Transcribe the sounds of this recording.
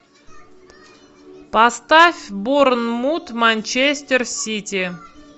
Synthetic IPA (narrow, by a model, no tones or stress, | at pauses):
past̪afʲboɾnmut̪manʲt͡ɕesʲt̪ʲersʲit̪ʲi